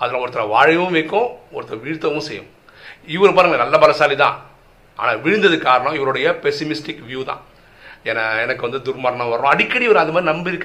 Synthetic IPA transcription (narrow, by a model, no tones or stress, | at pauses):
ɐðɐlãːɔɾɯt̪ːɪlɐʋaːɻɐʋʊ̃ʋɛɪkːʊ̃ɔɾɯt̪ːɪlɐʋiːɻt̪ːɐʋʊ̃sɛjːʊ̰̃ | ɪʋɐɾɯpaːɾɯŋɡɐnɐlːɐbɐlɐsaːlit̪ã̰ː | a̰ːnaːʋɪɻɯnd̪ɐðɯkaːɾɐɳʊ̃ɪʋɐɾɯɽɐjɐpɛsɪmɪsʈɪkːʋjuːt̪ã̰ː | ɛnɐɛnɐkːɯʋɐnd̪ɯd̪ʊɾmɐɾɐɳɐ̃ʋɐɾɐɾʊ̃ːɐɽɪkːɐɽiʋɐɾɯɐðɯmaːd̪ɾinɐmbɪɾɯkː